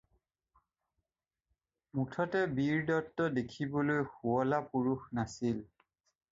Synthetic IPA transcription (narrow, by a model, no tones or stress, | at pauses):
mutʰɔtɛbiɹdɔtːɔdekʰibɔlojxuɔlapuɹuxnasil